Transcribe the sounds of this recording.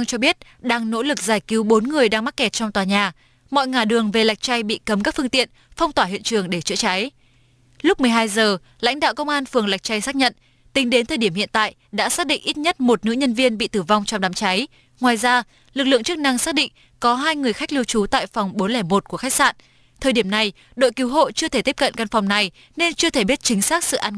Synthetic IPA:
ŋt͡ɕɔ˧ɓi˦˥ət̚ɗaː˧ŋno̰˧˥lɨ˨˩k̚zaː˧˩jki˨˦wɓo˨˦nŋɨ˨˩əjɗaː˧ŋma˦˥t̚kɛ˨˩t̚t͡ɕɔ˧wŋ͡mt̪waː˨˩ɲaː˨˩ | mɔ̰˧˨jŋaː˨˩ɗɨ˨˩əŋve˨˩la˨˩jk̟̚t͡ɕa˧jɓḭ˧˨kə˨˦mkaː˦˥k̚fɨ˧əŋt̪ḭ˧˨ən | fa˧wŋ͡mt̪waː˧˩ɦḭ˧˨ənt͡ɕɨ˨˩əŋɗe˧˩t͡ɕə̰˧˥t͡ɕa˨˦j | lʊ˦˥k͡p̚mɨ˨˩əjɦaː˧jzəː˨˩ | la̰˧˥jŋ̟ɗa̰ː˧˨wkə˧wŋ͡mʔaː˧nfɨ˨˩əŋla˨˩jk̟̚t͡ɕa˧jsaː˦˥k̚ɲə̰˧˨n | t̪ï˨˦ŋ̟ɗe˨˦nt̪ʰə˨˩ɗi˧˩əhḭ˧˨ənt̪a̰ː˧˨jɗa̰ː˧˥saː˦˥k̚ɗḭ˧˨ŋʔi˦˥t̚ɲə˦˥t̚mo˨˩t̚nɨ̰˧˥ɲə˧nvi˧ənɓḭ˧˨t̪ɨː˧˩va˧wŋ͡mt͡ɕɔ˧ŋ͡mɗaː˨˦mt͡ɕa˨˦j | ŋwaː˨˩jzaː˧ | lɨ˨˩k̚lɨ̰˧əŋt͡ɕɨ˦˥k̚na˧ŋsaː˦˥k̚ɗḭ̈˧˨ŋ̟ | kɔ˨˦ɦaː˧jŋɨ˨˩əjxa˦˥k̚li˧wt͡ɕu˨˦t̪a̰ː˧˨jfɔ˨˩wŋ͡mɓo˨˦nlɛː˧˩mo˨˩t̚ku˧˩əxa˦˥k̚sa̰ː˧˨n | t̪ʰəː˨˩jɗi˧˩əmna˨˩j | ɗo̰˧˨jki˨˦wɦo̰˧˨t͡ɕɨ˧ət̪ʰe˧˩t̪i˦˥p̚kə̰˧˨nka˧nfa˨˩wŋ͡mna˨˩j | ne˧nt͡ɕɨ˧ət̪ʰe˧˩ɓi˦˥ət̚t͡ɕï˨˦ŋ̟saː˦˥k̚sɨ̰˧˨ʔaː˧n

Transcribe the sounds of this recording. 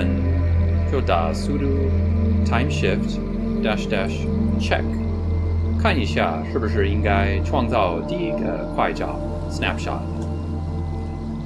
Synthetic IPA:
n | t͡ɕjo˥˩ʊt̪a̰˨˩su˥ɾu˧tʰã˥ɪ̃mʃɪft | d̥æ˥ʂdæ˥ʂ | t͡ʃʰɛ̰˥kʰ | a˥˩ni˨˧ɕja̰˥˧˩ʂɻ̩˥˩bu˩ʂ̬ɻ̩˥˩i˥ŋɡa˥ɪʈ͡ʂʰwɑ˥˧ŋt͡sɑ˥˧ʊt̪i˥˩i˥˩ɡə̰˨˩kʰwa˥˧ɪt͡ɕɑ̰˨˩ʊ | snæ̰˥pʃɑ̰˨t̚

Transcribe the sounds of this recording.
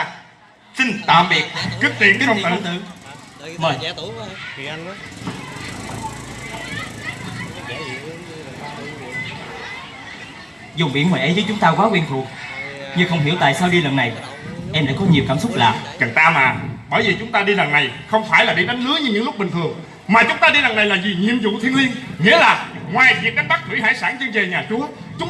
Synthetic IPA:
sï˧nt̪a̰ː˧˨mɓi˨˩ək̚kɨ˦˥k̚t̪i˧˨ən˦˥ə˧wŋ͡ma˨˩˨t̪ɨ̰˧˨ | məː˨˩j | zʊ˨˩ŋ͡mɓḭ˧˥ənŋwaː˨˩ʔə˨˦jzəː˨˦jt͡ɕʊ˨˦ŋ͡mt̪aː˧kwaː˨˦kwi˧nt̪ʰu˨˩k̚ɲɨ˧˩xə˧wŋ͡mɦḭ˧˩əwt̪a̰ː˧˨jsaː˧wɗi˧lə˨˩nːa˨˩j | ʔɛ˧mɗa̰ː˧˥kɔ˨˦ɲi˨˩əwkaː˧˩msʊ˦˥k͡p̚laː˨˩kə˨˩ŋt̪aː˧maː˨˩ɓəː˧˩jvi˨˩t͡ɕʊ˨˦ŋ͡mt̪aː˧ɗi˧ɗa˨˩ŋna˨˩jxə˧wŋ͡mfaː˧˩jlaː˨˩ɗi˧ɗa˨˦ŋnɨ˨˦˥ɲɨ˧ɲɨ̰˧˥ŋlʊ˦˥k͡p̚ɓï˨˩ŋ̟t̪ʰɨ˨˩əŋ | maː˨˩t͡ɕʊ˨˦ŋ͡mt̪aː˧ɗi˧ɗa˨˩na˨˩jlaː˨˩zi˨˩ɲi˨əmzṵ˧˨t̪ʰi˧ənlwi˧ənŋḭ˧˥əlaː˨˩ŋwaː˨˩jvi˨˩k̚ːaː˧˥k̚ɓa˦˥k̚k̪ʰːɨ˧˩˦ɦa̰ː˧˥jsaː˧˩nt͡ɕɨ˧ŋve˨˩ɲaː˨˩t͡ɕʊ˨˦ | t͡ɕʊ˨˦ŋ͡m

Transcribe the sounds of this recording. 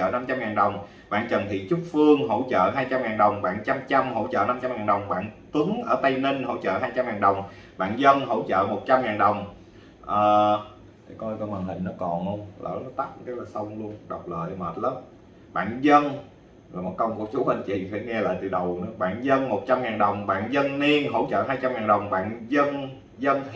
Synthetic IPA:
t͡ɕə̰ː˧˨na˧mt͡ɕa˧mŋaː˨˩nɗə˨˩wŋ͡m | ɓa̰ː˧˨nt͡ɕə˨˩nt̪ʰḭ˧˨t͡ɕu˦˥k̚fɨ˧əŋɦo̰˧˥t͡ɕə̰ː˧˨ɦaː˧jt͡ɕa˧mŋaː˨˩ŋɗə˨˩wŋ͡mɓa̰ː˧˨ŋt͡ɕa˧mt͡ɕa˧mɦo̰˧˥t͡ɕə̰ː˧˨na˧mt͡ɕa˧mŋaː˨˩nɗə˨˩wŋ͡mɓa̰ː˧˨nt̪wɨ˨˦ŋʔəː˧˩t̪ə˧jnə˧nho̰˧˥t͡ɕə̰ː˧˨ɦaː˧jt͡ɕa˧mŋaː˨˩nɗə˨˩wŋ͡m | ɓa̰ː˧˨nzə˧nɦo̰˧˥t͡ɕə̰ː˧˨mo˨˩t̚t͡ɕa˧mŋaː˨˩nɗə˨˩wŋ͡m | ʔəː˨˩˧ | kɔ˧jkɔ˧hwaː˨˩nhï˨˩ŋ̟nɔ˨˦kɔ˨˩nhə˧wŋ͡mlə̰ː˧˩nɔ˨˦t̪a˦˥k̚t̪ə˦˥laː˨˩sə˧wŋ͡mlu˧ənɗə˨˩wk͡p̚lə̰ː˧˨jməː˨˩t̚ləː˨˦˥m | ɓa̰ː˧˨nzə˧n | laː˨˩mo˨˩t̚kə˧wŋ͡mku˧˦t͡ɕu˧˦ha˧˩ŋ̟t͡ɕḭ˧˩˨faː˧˥˦ŋɛ˧la̰ː˧˨jt̪ɨ̰˨˩ɗə˨˩wnɔ˨˦ɓa̰ː˧˨nzə˧nmo˨˩t̚t͡ɕa˧mŋaː˨˩nɗə˨˩wŋ͡mɓa̰ː˧˨nzə˧nni˧ənɦo̰˧˥wt͡ɕə̰ː˧˨ɦaː˧jt͡ɕa˧mŋaː˨˩nɗə˨˩wŋ͡mɓa̰ː˧˨nzə˧n | zə˧n

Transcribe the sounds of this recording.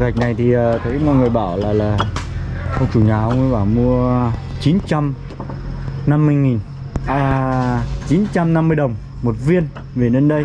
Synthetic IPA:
ɣa˨˩jk̚na˨˩jt̪ʰi˨˩ʔəː˨˩t̪ʰə˨˦jmo˨˩t̚ŋɨ˨˩əjɓa̰ː˧˩wlaː˨˩laː˨˩ | ʔə˧t͡ɕu˧˩ɲaː˨˩ʔə˧ŋi˧ɓaː˧˩mu˧ə | t͡ɕi˨˦nt͡ɕa˧m | na˧mːɨ˧əjŋi˨˩n | a˧ | t͡ɕi˨˦nt͡ɕa˧mna˧mːɨ˧əjɗə˨˩wŋ͡m | mo˨˩t̚vi˧ən | ve˨˩nə˧nɗə˧j

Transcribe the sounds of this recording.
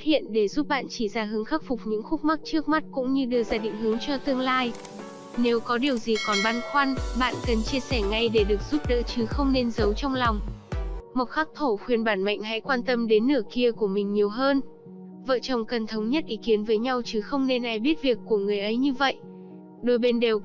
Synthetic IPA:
a˦˥t̚hḭ˧˨ənɗe˧˩zu˦˥p̚ɓa̰ː˧˨nt͡ɕi˧˩zaː˧˩ɦɨ˨˦əŋxaː˦˥k̚fʊ˨˩k͡p̚ɲɨ̰˧˥ŋxʊ˦˥k͡p̚ma˦˥k̚t͡ɕɨ˦˥ək̚ma˦˥t̚kʊ̰˧˥ŋ͡mɲɨ˧ɗɨ˧əzaː˧˩ɗḭ˧˨ŋ̟ɦɨ˨˦əŋt͡ɕɔ˧t̪ɨ˧əŋlaː˧j | ne˨˦wkɔ˨˦ɗi˨˩əwzi˨˩kɔ˨˩nɓa˧nxwa˧nɓa̰ː˧˨nkə˨˩nt͡ɕi˧əsɛ˧˩ŋa˧˩jɗe˧˩ɗɨ˨˩ək̚z̥u˦˥p̚ɗə̰ː˧˥t͡ɕɨ˨˦xə˧wŋ͡mne˧nzə˨˦wt͡ɕɔ˧wŋ͡mlɔ˨˩wŋ͡m | mo˨˩t̚xaː˦˥k̚t̪ʰo˧˩xwi˨˩ənɓaː˧˩nma̰˧˨jŋ̟ɦa̰˧˥jkwaː˧nt̪ə˧mɗe˨˦nːɨ˧˩əki˧əku˧˩əmï˨˩ŋ̟ɲi˨˩əwɦəː˧n | və̰ː˧˨t͡ɕə˨˩wŋ͡mkə˨˩nt̪ʰə˨˦wŋ͡mɲə˦˥t̚ʔi˨˦ki˨˦ənvəː˨˦jɲa˧wt͡ɕɨ˨˦xə˧wŋ͡mne˧nʔa˨˩jɓi˦˥ət̚vi˨˩əkːu˧˩əŋɨ˨˩əjʔə˨˦jɲɨ˧və̰˧˨jʔ | ɗo˧˩jɓe˧nɗe˨˩w

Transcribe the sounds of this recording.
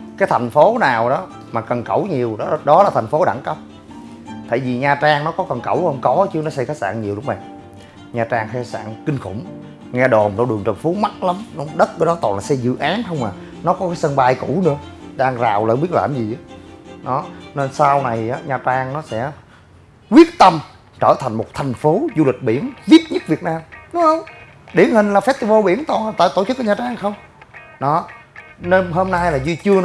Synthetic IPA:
kaː˨˦jt̪ʰa˨˩jŋ̟fo˨˦naː˨˩wɗɔ˨˦ | maː˨˩kə˨˩nkə˧˩wɲi˨˩əwɗɗɔ˨˦laː˨˩t̪ʰjŋ̟fo˨˦ɗa̰ː˧˩ŋkə˧˦˥p̚ | t̪ʰa̰ː˧˨jvi˨˩ɲaː˨˩t͡ɕaː˧ŋnɔ˨˦kɔ˨˦kə˨˩nkə̰˧˩whə˧wŋ͡mkɔ˨˦t͡ɕɨ˨˦ənɔ˨˦sa˧jkaː˦˥t̚sa̰ː˧˨ŋɲi˨˩əwɗʊ˨˦ŋ͡mɓa̰ː˨ŋ | ɲaː˨˧t͡ɕaː˧ŋxa˧˦sa̰ː˧˨nkï˧ŋ̟xʊ̰˧˩ŋ͡m | ŋɛ˧ɗo˨˩nɗɔ˧ɗɨ˨˩əŋt͡ɕə˨˩nfu˨˦ma˦˥t̚la˨˦mnɔ˨˦ɗə˦˥t̚kəː˨˦jɗɔ˨˦t̪ɔː˨˩nlaː˨˩sɛ˧jzɨ̰˧˨ʔaː˨˦nhə˧wŋ͡mmaː˨˩ | nɔ˨˦kɔ˨˦kaː˨˦sə˧nɓa˧jkṵ˧˩˥nɨ̰˧˦əɗaː˧ŋza̰ː˨˩wlaː˨˩ɓi˦˥ət̚la̰ː˧˨˩mzi˨˩ʔɗɔ˨˦ne˧nsa˧wna˨˩jʔaː˨˦ɲaː˨˩t͡ɕaː˧ŋnɔ˨˦sɛ̰˧˥ | kwi˦˥ət̚t̪ə˧m | t͡ɕəː˧˩t̪ʰa˨˩jŋ̟mo˨˩t̚t̪ʰa˨˩jŋ̟fo˨˦zu˧li˨˩k̟̚ɓḭ˧˩ənvi˦˥ət̚ɲɨ˦˥t̚vi˨˩ət̚naː˧mnʊ˨˦hə˧wŋ͡m | ɗḭ˧˩ənhï˨˩ŋ̟laː˨˩fɛ˦˥t̪i˨˩vo˧ɓi˧˩ənt̪ɔ˨˩nlaː˨˩t̪aː˧˨˩jt̪o˧˩t͡ɕɨ˦˥k̚ːɔ˧˦ɲaː˨˩t͡ɕaː˧ŋxə˧wŋ͡m | ɗɔ˨˦ne˧nɦo˧mna˧jlaː˨˩zi˧t͡ɕɨ˧ən˦

